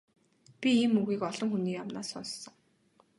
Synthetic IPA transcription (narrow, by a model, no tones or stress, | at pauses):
pʲiiːmːuɣiːkɔɮ̥ɞ̆ŋxuniːjamna̰ːsːɔnssɞ̆ŋ